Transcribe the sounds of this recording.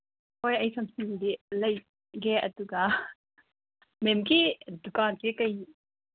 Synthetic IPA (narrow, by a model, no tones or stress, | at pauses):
hojɐjsɐmsiŋdilɐj | ɡɛʔɐ̰duɡa | mɛmkidukankikɐj